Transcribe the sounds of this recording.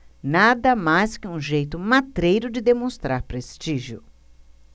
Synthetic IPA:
nad̪ɐmajskɪũʒejt̪ʊmat̪ɾejɾʊd͡ʒɪd̪emõst̪ɾaɾpɾest͡ʃiʒiʊ

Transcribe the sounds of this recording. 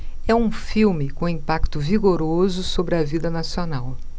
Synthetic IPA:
ɛũfiwmɪkõĩpakt̪ʊviɡoɾozʊsobɾɪɐvid̪ɐnasionaw

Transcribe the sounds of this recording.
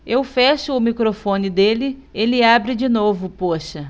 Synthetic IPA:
ewfɛʃʊːmikɾofõnɪd̪elɪelɪabɾɪd͡ʒɪnovʊpoʃɐ

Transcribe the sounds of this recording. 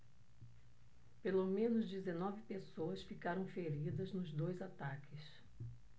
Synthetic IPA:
pelomẽnʊzd͡ʒezenɔvɪpesoɐsfikaɾɐ̃w̃feɾid̪ɐznʊzd̪ojzat̪akʰɪs

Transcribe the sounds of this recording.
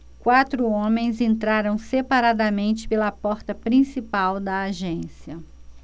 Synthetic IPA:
kwat̪ɾʊõmẽj̃zẽnt̪ɾaɾɐ̃w̃sepaɾad̪ɐmẽnt͡ʃɪ̥pelɐpɔɾt̪ɐpɾĩsipawd̪ɐaʒẽsiɐ

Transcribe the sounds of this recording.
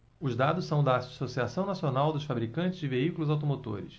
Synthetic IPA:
ʊzd̪ad̪ʊssɐ̃w̃d̪ɐasosiasɐ̃w̃nasionawd̪ʊʃfabɾikɐ̃t͡ʃɪzd͡ʒɪveikulʊzawt̪̬omot̪o̰ɾɪ̰s

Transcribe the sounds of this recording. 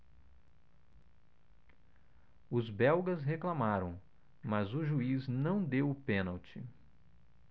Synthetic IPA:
ʊzbɛwɡɐzɦeklamaɾɐ̃w̃ | mɐzʊʒuiznɐ̃w̃d̪ewʊpẽnawt͡ʃɪ

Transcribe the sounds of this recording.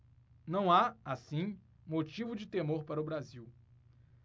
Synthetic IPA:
nɐ̃w̃aasĩ | mot͡ʃivʊd͡ʒɪt̪emoɾpaɾɐʊbɾaziw

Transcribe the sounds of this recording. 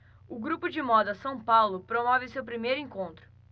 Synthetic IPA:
ʊɡɾupʊd͡ʒɪmɔd̪ɐsɐ̃w̃pawlʊpɾomɔvɪʊsewpɾimejɾʊĩŋkõnt̪ɾʊ

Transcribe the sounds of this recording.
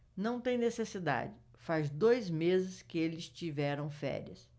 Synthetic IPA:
nɐ̃w̃t̪ẽj̃nesesid̪a̰d͡ʒɪ | fazd̪ojzmezɪskɪelɪst͡ʃivɛɾɐ̃w̃fɛ̰ɾiɐ̰s

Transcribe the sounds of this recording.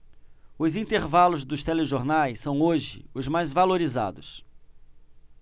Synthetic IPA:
ʊzĩnt̪eɾvalʊzd̪ʊst̪ɛleʒoɾnajsːɐ̃w̃oʒɪ̰ʊzmajzvaloɾiza̰d̪ʊs

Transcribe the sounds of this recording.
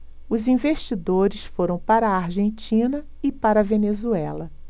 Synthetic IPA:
ʊzĩveʃt͡ʃid̪oɾɪsfoɾɐ̃w̃paɾɐːɾʒẽnt͡ʃĩnɐ | ɪpaɾɐvenezuɛlɐ

